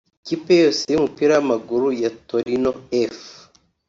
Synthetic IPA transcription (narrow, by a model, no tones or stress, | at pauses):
kipejosejumupiɾajamaɡuɾujatoɾinoef